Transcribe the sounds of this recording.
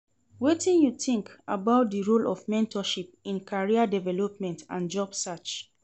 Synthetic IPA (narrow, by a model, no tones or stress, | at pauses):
wetĩnjutĩŋka̰baʊt̚diɹolɔfmɛ̃ntʰɔʃip̚ĩnkʰaɹiadɛvɛlɔp̚mɛ̃ntã̰nd͡ʒɔbsat͡ʃ